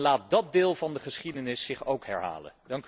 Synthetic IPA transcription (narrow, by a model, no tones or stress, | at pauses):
laːt̚dɑt̚dɪːlˠvɑndəχəsχidənɪsːɪχowkɦɛɹɦa̰ːlə̰ndɑŋk